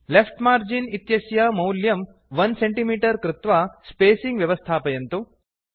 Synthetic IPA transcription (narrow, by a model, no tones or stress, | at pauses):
lefʈmaːɾd͡ʒinit̪jɐsjamɐwljɐm | ʋɐnseɳʈimiːʈɐɾkɾɪt̪ʋaspeːsiŋɡʋjɐʋɐst̪ʰaːpɐjɐnt̪u